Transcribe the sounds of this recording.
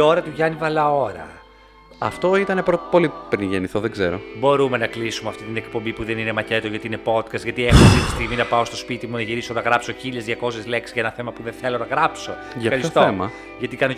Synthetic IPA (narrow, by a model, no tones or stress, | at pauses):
o̞ɾɐt̪uʝɐnivɐlɐo̞ɾɐ̰ | ɐ̰ft̪o̞it̪ɐnepɾopo̞lipɾinʝeniθoðeɡzeɾo̞̰bo̞ɾume̞nɐklisumeɐft̪it̪inekpo̞mbipuðe̞nine̞mɐce̞t̪oʝɐt̪iine̞po̞t̪kɐst̪ʝɐt̪iexot̪it̪i̥st̪iɣminɐpɐost̪o̞spit̪imunɐʝiɾiso̞nɐɣɾɐpso̞çiʎezðʝɐko̞sezle̞ksizʝɐenɐθe̞mɐpuðeθe̞lo̞nɐɣɾɐpso̞ | ʝɐxɐɾissot̪oemɐ | ʝɐt̪ikɐno